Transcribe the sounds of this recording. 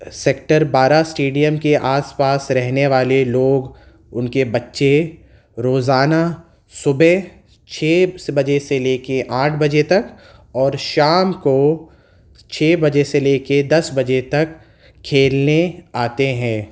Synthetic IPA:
sek̚ʈəɾbaːɾasʈeːɖijəmkeʔaːspaːsɾɛɦneʋaːleloːɡ | ʊnkebɐtːʃe | ɾoːzaːna | sʊbe | t͡ʃʰeːbɐd͡ʒeseleːkeʔaːʈʰbɐd͡ʒet̪ɐkɔːɾʃaːmko | t͡ʃʰeːbɐd͡ʒeseleːked̪ɐsbɐd͡ʒet̪ɐkʰː | eːlneaːt̪eɦɛ̃ː

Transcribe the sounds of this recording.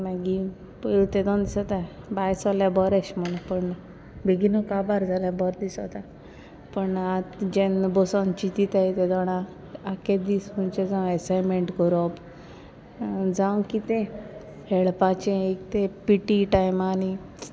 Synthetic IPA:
maɡi | pəɭt̪ed̪ɔ̃nd̪isɔt̪a | bajsɔljabɔɾeɕm̤əɽ̃ũpəɳ | bʱiɡinokabaɾd͡zʱaljabɔɾd̪isɔt̪a | pəɳat̪d͡ʑenbɔsɔ̃nt͡ɕit̪it̪ait̪ed̪ɔɽ̃ã | aked̪ism̤unt͡ɕed͡zãw̃ɛsajmeɳʈkɔɾɔp | d͡zãwkit̪ẽ | heɭpat͡ɕẽekt̪ẽpiʈiʈajmani

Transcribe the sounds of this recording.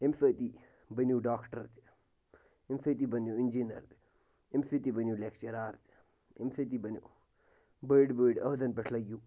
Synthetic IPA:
emsət̪i | bɐnjuːɖaːkʰʈɐɾt̪ | emsət̪ibɐnjuind͡ʒinɐ̰ɾt̪ | emsit̪ibɐnjuːlekʰt͡ʃɐɾaːɾt̪ | emsət̪ibɐnʲju | bəɖbəɖɐɦd̪ɐnpɐʈʰlɐɡjuː

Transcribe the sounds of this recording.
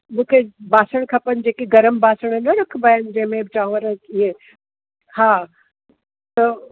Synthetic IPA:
mũːkʰebaːsəɽ̃kʰɐpənɪ̆d͡ʑeːkeɡɐɾəmbʱaːsəɽ̃nɐɾɐkʰbɐjənɪd͡ʑɐ̃ɦɪ̃mẽbɪt͡ʃaːũʋəɾɐiɦe | haː | t̪ɐ

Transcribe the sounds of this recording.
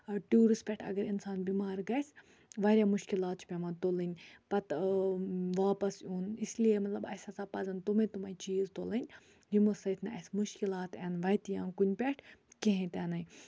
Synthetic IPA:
ʈjuːɾispʲɛʈʰɐ̰ɡɐɾinsaːnbimaːɾɡɐs | ʋaːɾʲjaːmʊʃkilaːt̪̚t͡ʃʰpʲɛmãnt̪oːlɨnʲpɐt̪ | ʋaːpɐsuːnisliemɐt̪lɐbɐ̰saːt͡saːpɐzɐnt̪umẽt̪umait͡ʃiːzt̪oːlənʲ | jimosɐt̪ʰnɐsmʊʃkilaːt̪ɛːnʋɐjt̪ijã̰ːnkunʲpʲɛʈʰkeɦẽt̪ɛnɐj

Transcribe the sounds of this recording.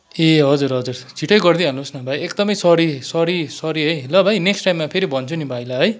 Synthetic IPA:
eɦʌd͡zuɾɦʌd͡zurt͡sʰiʈʰʌjɡʌrd̪iɦʌnusnʌbʱajek̚d̪ʌmʌjsʌɾisʌɾisʌɾiɦʌjlʌbʱajneksʈajmːapʰeɾibʱʌnt͡sʰunibʱajlaɦʌj

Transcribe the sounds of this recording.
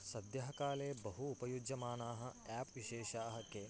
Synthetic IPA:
sɐd̪jɐɦɐkaːleːbɐɦuːpɐjud͡ʒjɐmaːnaːɦɐ̆ɛːpʋiʃeːʃaːɦɐke

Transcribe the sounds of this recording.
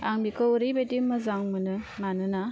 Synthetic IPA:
aŋbikʰɯuɾibetimɯzaŋmɯnɯmanɯna

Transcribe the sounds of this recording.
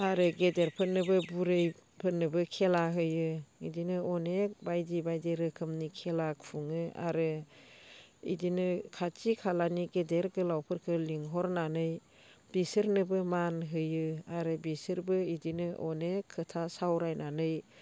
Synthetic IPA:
aɾɯɡedeɾpʰɯnːɯbɯbuɾɯjpʰɯnːɯbɯkʰelaɦɯjɯidinɯɔnek̚bajdibajdiɾɯkʰɯmnikʰelakpʰuŋɯa̰ɾɯ | ḭdinɯkʰat͡ʃikʰalaniɡedeɾɡɯlawpʰɯɾkʰɯliŋɦɔɾnanɯj | b̥isɯɾnɯbɯmanɦɯjɯaɾɯbisɯɾbɯidinɯʔɔnekʰːɯtʰasawɾajnanɯj

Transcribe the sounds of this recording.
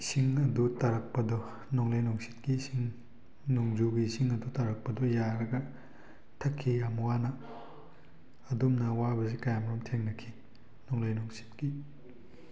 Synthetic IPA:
isiŋɐdutɐɾɐk̚pɐdɔ | nɔŋlajnɔŋsi̥t̚kisiŋ | nɔŋzuɡisiŋɐdutɐɾɐk̚pɐdɔjaɾɐɡɐ | tʰɐkʰːijamwanɐ | dumnɐwabɐzikajamɾɔmtʰeŋnɐkʰi | nɔŋlajnɔŋsi̥tki

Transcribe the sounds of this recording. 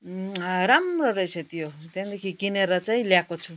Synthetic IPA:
ɾamrʌɾʌjset̪ijot̪jand̪ekʰikineɾʌt͡saĩljakot͡sʰu

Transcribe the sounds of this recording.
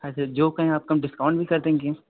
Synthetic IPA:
asd͡ʒoːkɐɦẽaːp̚kamɖɪskaːʊ̃ɳɖbʱikɐɾd̪ẽɦɡeẽː

